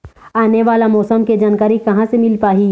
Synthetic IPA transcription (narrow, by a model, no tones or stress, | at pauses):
aːneʋaːlamɔːsəmked͡ʒaːnkaːɾikɐɦãsemɪlpaːɦi